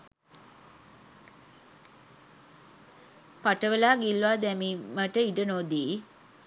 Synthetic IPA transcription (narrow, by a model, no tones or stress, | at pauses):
paʈəʋəlaːɡilːuaːd̪æmiməʈəiɖənod̪iː